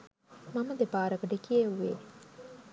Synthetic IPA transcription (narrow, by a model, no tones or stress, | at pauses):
mɐməd̪ebaːɾɐkɐɖekieʋːḛ